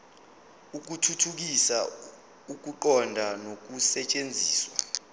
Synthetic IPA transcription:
uk̬utʰutʰuk̬isa | uk̬uǃɔndʱanok̬usɛt͡ʃʼend͡zʱiːswa

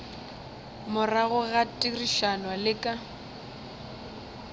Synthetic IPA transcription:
mʊraɣʊɣatʼiriʃanwalɪkʼa

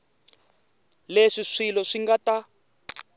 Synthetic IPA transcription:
leʂiʂilɔʂiŋɡata

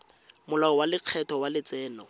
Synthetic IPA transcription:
mʊlaɔwalɪq͡χʰɛtʰɔwalɪt͡sɛːnɔ

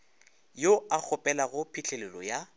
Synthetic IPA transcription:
joak͡xʰʊpʼɛlaɣʊpʰɪt͡ɬʰelɛlɔja

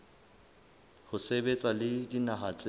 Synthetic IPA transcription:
hʊsebet͡sʼalɪdinaɦat͡sʼe

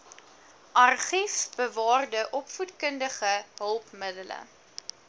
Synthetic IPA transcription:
ʔɐrχifb̥əvɑːrdəʔɔpfutkəndəχəɦəlˠpmədələ̰

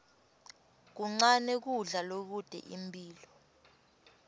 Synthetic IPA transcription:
k̬uŋ͡ǀanɛk̬uɮalok̬ud̥ʱɛ̰ʔimbʱʼiːlɔ

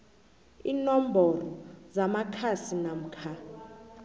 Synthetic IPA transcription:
iːnom̩bʱɔlɔzamakʰasinam̩kʰa

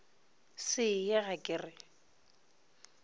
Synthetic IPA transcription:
sɪjɪɣakʼɪrɪ

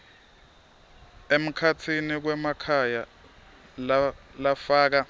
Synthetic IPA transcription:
em̩kʰatʰinik̬wɛmakʰaja | llafaːk̬a

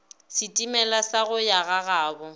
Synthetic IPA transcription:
sɪtʼimɛlasaɣʊjaɣaɣaːbɔ

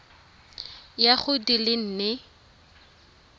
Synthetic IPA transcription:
jaχʊdilɪn̩ːnɪ

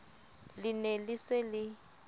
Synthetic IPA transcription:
lɪnɛlɪsɪlɪ

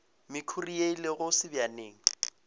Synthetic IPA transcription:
mɪkʰurijeilɪɣʊsɪbjaneːŋ̩

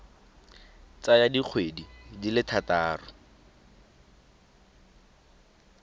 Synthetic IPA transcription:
t͡sajadik͡xʰwedidilɪtʰataːrʊ

